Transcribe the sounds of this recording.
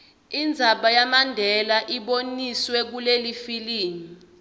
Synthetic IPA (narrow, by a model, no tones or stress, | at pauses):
ind͡zʱaɓajamandʱɛlaʔiɓoniswɛk̬ulelifiliːni